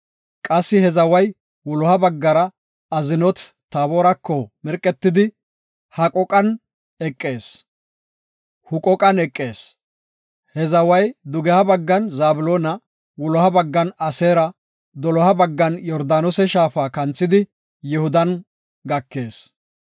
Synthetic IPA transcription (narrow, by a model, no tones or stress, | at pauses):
kʼɐsːɪhɛzɐwɐj | wɔlɔhɐbɐɡːɐɾɐ | ɐzɪnɔt̪t̪aːboːɾɐkːɔmɛɾkʼːɛt̪ːɪd̪ɪ | hɐkʼɔkʼɐn | ɛkʼːe̞ːs | hʊkʼɔkʼɐnɛkʼːe̞ːs | hɛzɐwɐjd̪ʊɡɛhɐbɐɡːɐnzaːbʊloːnɐ | wɔlɔhɐbɐɡːɐnɐseːɾɐ | d̪ɔlɔhɐbɐɡːɐnjɔɾd̪aːnɔsɛʃaːfaːkɐnt͡sːɪd̪ɪ | jɪhʊd̪ɐn | ɡɐkːe̞ːs